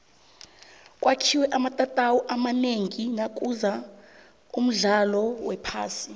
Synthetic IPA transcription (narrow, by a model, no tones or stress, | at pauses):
kʼwʔakʰiwɛʔamatʼatʼawɔʔamaneŋinak̬ʼuza | um̩ɮalɔwɛpʰa̰ːsi